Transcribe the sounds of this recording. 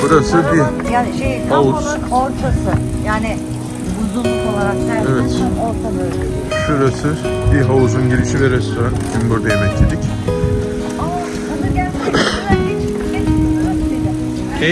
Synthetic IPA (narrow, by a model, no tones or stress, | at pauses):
b̥uɾasɯbi | jaːniʃejihausˠano̞ɾt̪ʰasɯ | jaːnɪ | buzunko̞lˠaɾak̚næɾɛvɛt̪noɾt̪ʰalˠɯ | ʃuɾasɯbiɦauzunɟiɾiʃivɛɾɛst̪ʰo̞ɾantʰinbuɾd̪ajemɛct̪ʰed̪ic | ama | anaɟælʲmalet͡ʃʰ | ienioaɾakd̪ed̪ɪ